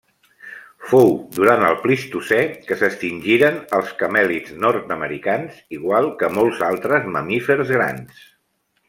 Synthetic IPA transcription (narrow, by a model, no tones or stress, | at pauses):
fowd̪uɾant̪əlˠplist̪usɛkəsəst̪inʲʒiɾənəlˠskəmɛliznɔɾt̪əməɾikanziɣwalˠkəmɔlˠzalˠt̪ɾəzməmifəɾzɣɾa̰ns